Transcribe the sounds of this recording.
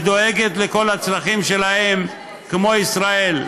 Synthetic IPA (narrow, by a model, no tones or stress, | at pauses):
d̪o̞eɡet̪leko̞lat͡slaχimʃelahe̞m | kmo̞isʁae̞l